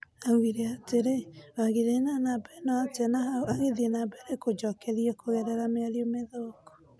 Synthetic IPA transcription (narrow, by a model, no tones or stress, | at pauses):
awiɾɛateɾewaɣeɾenanabɛnɔatɛnaaɣeðiɛnabɛɾekod͡ʒɔkɛɾiɛkoɣɛɾɛɾameaɾiomeðokɔ̥